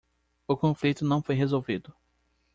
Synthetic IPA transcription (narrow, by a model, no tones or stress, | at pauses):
ʊkõflit̪ʊnɐ̃w̃fojɦezowvid̪ʊ